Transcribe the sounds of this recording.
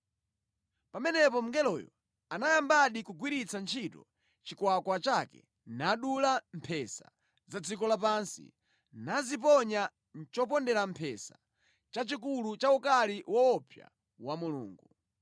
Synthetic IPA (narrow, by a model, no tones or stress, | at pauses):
pamɛnɛpɔm̩ɡɛlɔ̰jɔ̰ | anajambaɗikuɡwiɾit͡sant͡ʃʰitɔ̰ | t͡ʃikwakwat͡ʃakɛ̰ | naɗulampʰɛsa̰ | zad͡zikɔlapansḭ | nazip̬ɔɲa | n̩t͡ʃɔp̬ɔndɛɾampʰɛsḁ | t͡ʃat͡ʃik̬ulut͡ʃaukaliwɔɔpja̰ | wamulṵːŋɡu